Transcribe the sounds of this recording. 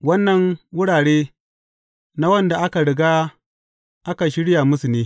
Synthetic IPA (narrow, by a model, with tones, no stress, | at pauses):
wɐ˦nːɐ˨ŋwʊ˦ɽaː˨ɽeː˦ | na˦wɐ˦nda˨ʔa˦ka˨ɽɪ˨ɡaː˦ | ʔa˦ka˨ʃɪ˦ɽɪ˦ja˨mʊ˦su˨neː˦